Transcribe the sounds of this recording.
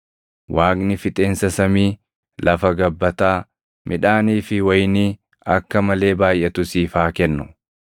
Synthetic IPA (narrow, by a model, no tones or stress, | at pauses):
waːɡnɪfɪt̪ʼe̞ːnsɐsɐmiː | lʔɐfɐɡɐbːɐt̪aː | mʔɪᶑaːniːfɪwɐjniː | ɐkːɐmɐle̞ːbaːjʔɛt̪ʊsiːfaːkɛnːʊ̥